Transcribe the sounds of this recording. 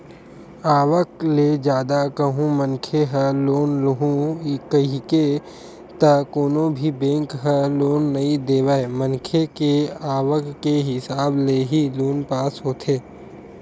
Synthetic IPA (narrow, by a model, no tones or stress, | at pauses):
aːʋəkled͡ʒjaːd̪akəɦũmənkʰeɦəloːnlɦũkəɦike | t̪əkoːnõbʱibẽːŋkɦəloːnːɐid̪eːʋaemənkʰekeaːʋəkːeɦɪsaːbleɦiloːnpaːsɦoːt̪ʰeː